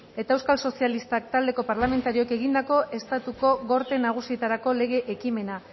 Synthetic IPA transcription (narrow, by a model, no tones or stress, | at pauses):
e̞t̪aewskalso̞sialist̪ak̚t̪ald̪e̞ko̞paɾlame̞nt̪aɾio̞eke̞ɣind̪ako̞ʔe̞st̪at̪uko̞ɣo̞ɾt̪e̞naɣ̞usiet̪aɾako̞le̞ɣ̞e̞ʔekime̞na